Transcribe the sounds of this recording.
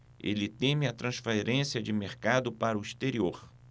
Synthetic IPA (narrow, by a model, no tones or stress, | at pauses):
ḛlɪt̪ẽmɪɐt̪ɾɐ̃sfeɾẽsiɐd͡ʒɪmeɾkad̪ʊpaɾʊist̪eɾioɾ